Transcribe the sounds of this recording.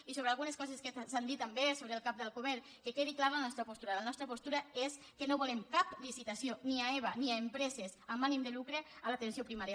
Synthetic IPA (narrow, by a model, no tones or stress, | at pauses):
isoβealˠɣuneskɔzeskesand̪it̪ambesoβɾeːlˠkap̚d̪elˠkoβeɾ | kekeðiklaɾlanɔst̪ɾapost̪uɾalanɔst̪ɾəpost̪uɾaes | kenoβulemkaplisit̪asioniaeβaniaempɾɛzesamːanimd̪elukɾealat̪ensiopɾimaɾja